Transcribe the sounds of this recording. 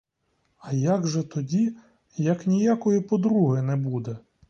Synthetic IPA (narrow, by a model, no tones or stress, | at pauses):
ɐjaɡʒɛt̪ɔdʲi | jɐknʲijakɔjipɔd̪ɾuɦɪnɛbud̪ɛ